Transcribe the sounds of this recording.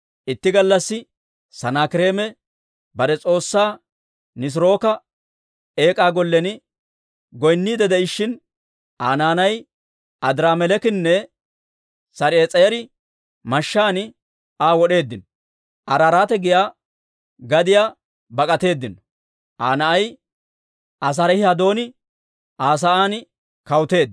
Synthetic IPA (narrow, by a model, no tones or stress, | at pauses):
ʔɪt̪ːɪɡɐlːɐsːɪ | sɐnaːkɪɾe̞ːmɛ | bɐɾɛt͡sʼo̞ːsːaː | nɪs̬ɾo̞ːkɐ | e̞ːkʼaːɡɔlːɛnɪ | ɡɔjnːiːd̪ɛd̪ɛɪʃːɪn | aːnaːnɐj | ʔɐd̪ɪɾaːmɛlɛkɪnːɛ | sɐɾeːt͡sʼɐjɛɾɪ | mɐʃːaːnɪ | aːwɔɗe̞ːd̪ːɪnɔ | ʔɐɾaɾaːt̪ɛɡɪjaː | ɡɐd̪ɪjaː | bɐkʼɐt̪e̞ːd̪ːɪn | ʔaːnɐʔɐj | ʔɐs̬ɐɾɛhɪhɐd̪o̞ːnɪ | aːs̬ɐaːnɪ | kɐwʊt̪e̞ːd̪ː